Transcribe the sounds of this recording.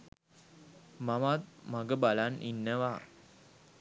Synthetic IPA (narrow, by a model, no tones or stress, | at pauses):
mamat̪̚maɡəbalanʔinːəʋa